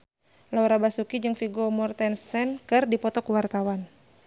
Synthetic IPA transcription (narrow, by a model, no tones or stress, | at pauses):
lawɾabasukid͡ʒɨŋfiɡɔmɔrt̪ɛnsɛnkɨrdipɔt̪ɔkuwart̪awan